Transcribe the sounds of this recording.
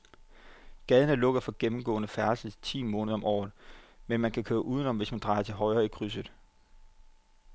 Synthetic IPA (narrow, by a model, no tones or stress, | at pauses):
ɡ̥ɛð̞ˠənəlɔ̽ɡ̥ɐfɒ̽ɡ̥emm̩ɡ̥ɔ̰̽ːnəfæɐsəðˠt͡sʰḭːmɔ̽ːnðˠɒ̽mʔɒ̰ːð̩ˠmenmænkʰækʰøːɐʔuːð̞ˠənɒ̽mʋe̝smænd̥ʁɑ̈ɪɐt͡sʰe̝lɦɒ̽ɪʁɐːikʰʁys̬ðˠ